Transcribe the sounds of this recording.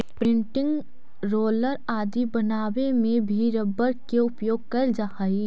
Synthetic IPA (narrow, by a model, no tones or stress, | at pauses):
pɾɪ̃ɳʈɪ̃ŋɡ | ɾoːləɾaːd̪ibɐnaːwemẽbʱiɾɐbːəɾkeʊpjoːɡ̚kɐld͡ʒahaːi